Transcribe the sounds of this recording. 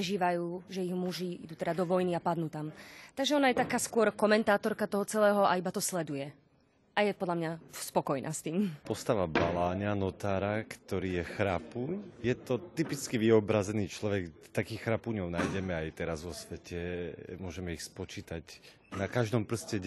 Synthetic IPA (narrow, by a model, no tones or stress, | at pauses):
ɾɛʒiːʋajuːʒɛiɣmuʒiḭd̪uːt̪ɛd̪ad̪ɔʋɔjniapad̪nuːt̪amt̪aɡʒɛɔnajɛt̪akaːskʊɔɾkɔmɛnt̪aːt̪ɔɾkat̪ɔɦɔt͡sɛlɛːɦɔʔaibat̪ɔslɛd̪ujɛ | ʔajɛpɔd̪lamɲaspɔkɔjnʔa̰ːst̪iːmpɔst̪aʋabalaːɲanɔt̪aːɾakt̪ɔɾiːjɛxɾapuːɲjɛt̪ɔt̪ipit͡skiʋiɔbɾazɛniːt͡ʃlɔʋɛɡt̪akiːxɾapuːɲɔʊnajɟɛmɛajt̪ɛɾazʋɔsʋɛcʰɛmʊɔʒɛmɛixspɔt͡ʃiːt̪aɟ | nakaʒd̪ɔmpr̩scɛ